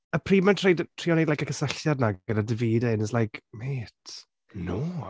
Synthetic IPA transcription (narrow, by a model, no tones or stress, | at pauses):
əpʰriːmɛntʰrejdtʰriːɔnejdlajkakʰəsəɬjadnaɡənadɪviːdɪnəslajkʰmeːtʰ | noː